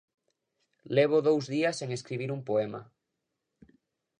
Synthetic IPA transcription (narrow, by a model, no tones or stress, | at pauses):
leβ̞oðowzðiaseŋeskɾiβiɾumpoema̰